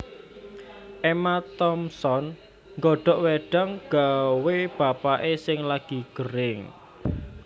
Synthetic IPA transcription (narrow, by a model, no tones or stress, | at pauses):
ʔemat̪ɔmsɔn | ŋɡɔɖ̥ɔ̤ʔweɖ̥a̤ŋɡ̥aweb̥a̤paʔesɪŋlaɡ̥i̤ɡ̥əɾɪŋ